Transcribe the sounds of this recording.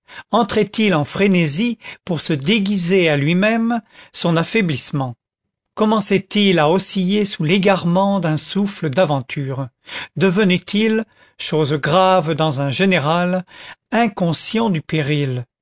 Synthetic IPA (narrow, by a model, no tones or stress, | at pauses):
ɑ̃t̪χɛt̪ilɑ̃fχenezipuʁsəd̪eɡʲizealɥimɛmsɔ̃nafɛblismɑ̃ | kɔmɑ̃sɛt̪ilaɔsijesuleɡaʁmɑ̃d̪ɛ̃sufləd̪avɑ̃t̪ʰyʁ | d̪əvənɛt̪ʰil | ʃozɡʁavd̪ɑ̃zɛ̃ʒeneʁalɛ̃kɔ̃sjɑ̃d̪ypeʁil